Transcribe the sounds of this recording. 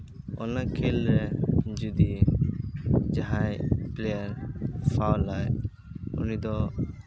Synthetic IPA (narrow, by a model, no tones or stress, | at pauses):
ɔ̰nakʰelɾɛd͡ʒud̪i | d͡ʒaɦajplɛjaɾpʰawlaj | ṵnid̪ɔ